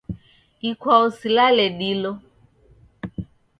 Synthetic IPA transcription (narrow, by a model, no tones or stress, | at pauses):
ikʰwausilalɛɗilɔ